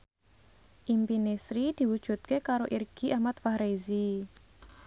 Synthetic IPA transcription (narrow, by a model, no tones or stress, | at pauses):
ʔimpinesɾid̪̥i̤wud̥ʒ̥ṳt̪̚kekaɾoʔirɡ̥i̤ʔahmat̪fahɾezi